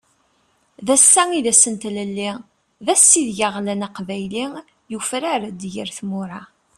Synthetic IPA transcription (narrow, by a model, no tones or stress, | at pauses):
ðæsːæŋiðæsənt̪ləlːi | ðæsːiðʝaʁlænaqvæjli | jufɾaɾd̪jəɾθmʊɾˤɑ